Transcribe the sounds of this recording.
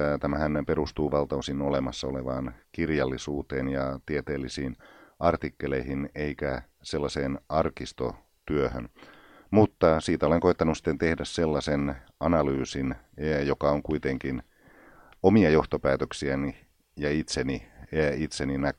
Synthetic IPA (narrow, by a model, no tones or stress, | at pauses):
t̪æmæhænperust̪uːʋɑlt̪ɑusinolemɑsːɑoleʋɑːnkirjɑlːisuːt̪eːnjɑt̪iet̪eːlːisiːnɑrt̪ikːeleihineikæ | selːɑseːnɑrkist̪o̰ | t̪yøhø̰n | mut̪ːɑsiːt̪æoleŋkoit̪ːɑnusi̥t̪ːent̪ehdæsselːɑsen | ɑnɑlyːsin | jokɑoŋkuit̪eŋkin | omiɑjoht̪opæːt̪øksiæni | jɑit̪seniit̪seninæ